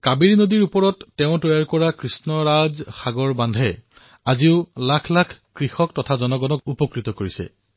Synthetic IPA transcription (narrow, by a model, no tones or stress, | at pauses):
kabiɹinodiɹupɔɹɔtːɛʊ̃tɔjaɹkɔɹakɹisnɔɹazxaɡɔɹbandʱɛ | aziʊlakʰlakʰkɹixɔk̚tɔtʰazɔnɔɡɔnɔkupɔkɹitɔkoɹisɛ̰